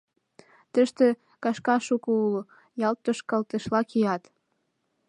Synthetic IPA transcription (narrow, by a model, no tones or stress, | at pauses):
t̪əʃt̪ĕ | kɑʃkɑʃukoulo | jɑlt̪ːoʃkɑlt̪ə̆ʃlɑkiɑt̪